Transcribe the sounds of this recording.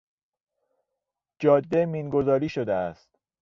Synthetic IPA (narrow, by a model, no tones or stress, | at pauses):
d͡ʒɒːd̪ːemiːnɡo̞zɒːɾiːʃo̞d̪eæst̪